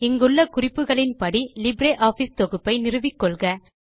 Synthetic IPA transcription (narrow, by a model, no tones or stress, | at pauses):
ɪŋɡɯɭːɐkʊrɪpːɯɣɐɭɪnpɐɽilɪbɾeːʔaːfiːst̪ɔɣɯpːɐɪnɪrɯʋɪkːɔɭɣɐ